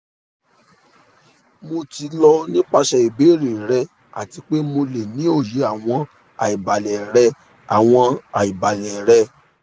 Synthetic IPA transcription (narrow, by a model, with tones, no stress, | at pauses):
mo˧ti˧lɔ˧nĩ˦k͡pa˧ʃɛ˧i˨be˨˦˨ɾi˨ɾɛ˧ | a̰˨ti˧k͡pe˦mo˧le˨nĩ˨˦o˦˨je˨˦a˦˨w̃ɔ̃˧ | a˨i˨ba˨lɛ˨ɾɛ˧ | a̰˨w̃ɔ̃˧a˨i˨ba˨lɛ˨ɾɛ˧